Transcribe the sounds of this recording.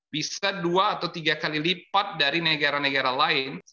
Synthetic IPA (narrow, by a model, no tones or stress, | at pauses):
b̥isaduaːt̪awt̪iɡakalilipat̪̚daɾinəɡaɾanəɡaɾalaɪn